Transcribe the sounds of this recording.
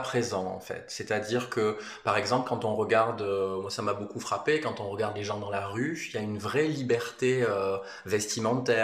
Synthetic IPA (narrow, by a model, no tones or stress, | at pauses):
pχezɑ̃ɑ̰̃fɛ̰t̪sɛt̪ad̪iːʁkə | paʁɛɡzɑ̃plkɑ̃t̪ɔ̃ʁəɡaʁd̪ømwasamabokufχapekɑ̃t̪ɔ̃ʁəɡaʁd̪leʒɑ̃d̪ɑ̃laʁyiljaynvʁɛlibɛʁt̪eø | vɛst̪imɑ̃t̪ɛ